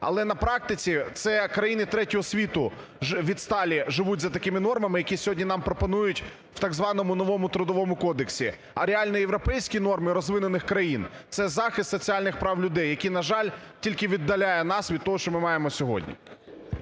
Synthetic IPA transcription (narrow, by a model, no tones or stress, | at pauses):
ɐ̰lˠɛnɐpɾɑk̚t̪ɪt͡sʲit̪sɛkɾɐjinɪt̪ɾɛtʲɔɦɔsʲʋʲit̪ʊ | ʋʲid̪st̪ɑlʲiʒɪʋutʲzɐt̪ɐkɪmɪnɔrmɐmɪjɐkʲisʲɔɦɔdʲnʲinɑmpɾɔpɔnujʊtʲ | wt̪ɑɡzʋɑnɔmʊnɔʋɔmʊt̪ɾʊd̪ɔʋɔmʊkɔd̪eksʲi | ɐ̰ɾʲeɑlʲnɔjeʋɾɔpɛjsʲkʲinɔrmɪɾɔzʋɪnʊnɪxkɾɐjint̪sɛzɑxɪst̪sɔt͡sʲialʲnɪxpɾɑwlʲʊd̪ɛjːɐkʲinɐʒɑlʲtʲilʲkɪʋʲid̪ːɐlʲajɛnɑsʋʲid̪̚t̪ɔɦɔʃt͡ʃɔmɪmɑjemɔsʲɔɦɔ̰dʲnʲḭ